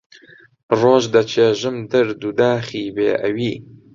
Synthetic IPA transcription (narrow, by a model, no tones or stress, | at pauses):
roːʒd̪ɐt͡ʃʰeːʒɨmd̪ɐɾd̪ud̪aːχiːbeːʔɐwiː